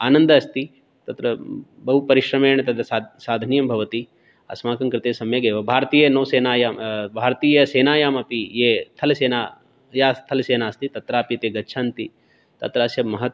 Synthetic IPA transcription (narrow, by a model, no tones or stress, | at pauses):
aːnɐnd̪ɐɐst̪i | t̪ɐt̪ɾɐ | bɐɦupɐɾiʃɾɐmeːɳɐt̪ɐd̪ʱɐsaːd̪ʱɐnijɐmbʱɐʋɐt̪i | ɐ̰smaːkɐŋkɾɪt̪eːsɐmjɐɡeːʋɐbʱaːɾt̪iːjɐnɐːseːnaːjaːmbʱaːɾɐt̪iːjɐseːnaːjaːmɐpijeːt̪ʰɐlɐseːnaː | jaːst̪ʰɐlɐseːnaːst̪it̪ɐt̪ɾaːpit̪eːɡɐtːt͡ʃʰaːnt̪i | t̪ɐ̰t̪ɾɐɐsjɐmɐɦɐt̪